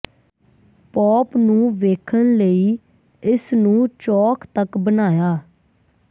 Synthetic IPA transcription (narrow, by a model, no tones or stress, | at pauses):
pɔːpnũːʋeːkʰənləiː | ɪsnũːt͡ʃɔːkʰt̪əkbənaːjaː